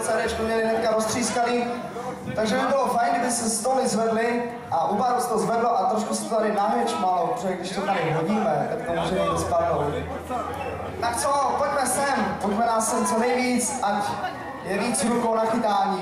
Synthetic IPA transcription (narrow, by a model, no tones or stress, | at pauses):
sɛɾɛt͡ʃkumɲɛlɪnɛt̪kaɾost̪r̥iːskaniː | t̪aɡʒɛmɪbɪlofajnɡɪdɪsɛst̪olɪzvɛdlɪ | ʔaʔubaɾosɛ̥t̪ozvɛdloʔat̪ɾoʃkusɛ̥t̪ot̪aɾɪnaɦɛt͡ʃmaːlopɾoʒʒɛɡdɪʃt̪ot̪aɾɪɦoɟiːmɛt̪aksamozrɛjɲɛɛspadaloldɪ̰ | t̪ak̚t͡sopoɟmɛsɛmt̪oznamɛnaːsɛmt͡sonɛjviːt͡sʔac | jɛviːt͡sɦɾukownaxɪt̪aːɲiː